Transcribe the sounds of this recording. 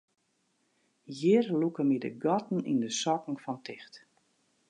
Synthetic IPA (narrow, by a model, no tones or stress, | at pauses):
jɪrlukəmidə̰ɡɔtn̩ḭndəsɔkŋ̩fɔntʰɪxt